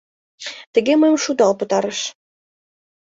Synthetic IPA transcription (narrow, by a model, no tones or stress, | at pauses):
t̪ə̆ɣeməjmʃud̪ɑlpɤ̆t̪ɑɾə̆ʃ